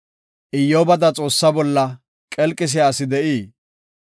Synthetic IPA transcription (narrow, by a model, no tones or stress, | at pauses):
ʔɪjːoːbɐd̪ɐt͡sʼo̞ːsːɐbɔlːɐ | kʼɛlkʼːɪs̬ɪjaːsɪd̪ɛʔiː